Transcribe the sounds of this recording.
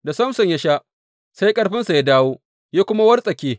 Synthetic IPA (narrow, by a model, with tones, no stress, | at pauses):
da˨sɐ˦msɐ˨ɲja˦ʃaː˦ | sa˦jkʼɐ˦ɽɸɪ˦nsa˨ja˦daː˦woː˦ | ja˦kʷʊ˦ma˦wɐ˦rsʼɐ˨kʲeː˦